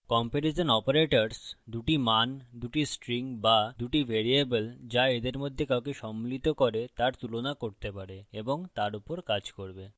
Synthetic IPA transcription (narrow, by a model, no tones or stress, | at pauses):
kɔmpeɾiʃonɔpoɾeʈaɾsd̪uʈimand̪uʈisʈɾiŋbad̪uʈibʱeɾiebeld͡ʑaed̪eɾmod̪ʱːekawkeʃɔmːlit̪okoɾet̪aɾt̪ulonakoɾt̪epaɾeeboŋt̪aɾupoɾkad͡ʑkoɾbe